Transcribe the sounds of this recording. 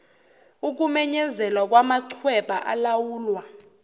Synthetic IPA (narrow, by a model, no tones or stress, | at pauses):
uk̬umɛɲɛzɛlwak̬wamaǀʰwɛɓʼaʔa̰lawuːlwa